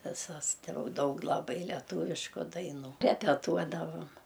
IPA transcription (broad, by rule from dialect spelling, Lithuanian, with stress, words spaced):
ʋʲɪˈsɐs tɐɪ ˈjɛʊ ˈdɐʊk lˠɐˈbɐɪ lʲɛˈtʊʋʲɪʃkʊ dɐɪˈnuː rʲɛpʲɛˈtuɔdɐʋoːm